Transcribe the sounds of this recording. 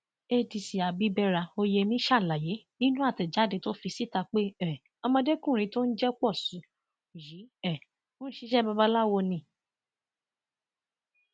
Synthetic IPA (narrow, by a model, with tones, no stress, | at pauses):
e˧di˧si˨a˨bi˨˦bɛ˦ɾa˧o˧je˧mĩ˦ʃa˦˨la˨je˨˦ | nĩ˦nũ˦a˦˨tɛ˨d͡ʒa˨˦de˧˦to˦fi˧si˦ta˧k͡pe˦ɛ˨ | ɔ˧mɔ̃˧de˦kũ˦˨ɾ̃ĩ˧˦to˦n̩˦d͡ʒɛ˦k͡pɔ˦˨sũ˨˦˨ | ji˨˦ɛ˦˨ | o˦n̩˦ʃi˦ʃɛ˦ba˧ba˦la˦wɔ˧nĩ˧˨